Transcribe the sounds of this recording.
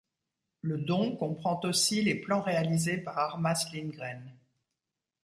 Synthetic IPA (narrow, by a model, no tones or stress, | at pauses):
ləd̪ɔ̃kɔ̃pχɑ̃t̪osileplɑ̃ʁealizepaʁaʁmaslinɡʁɛn